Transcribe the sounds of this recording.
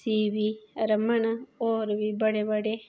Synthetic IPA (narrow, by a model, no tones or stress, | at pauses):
siːʋiɾɐmɐɳɐoːɾʋibɐɽebɐɽe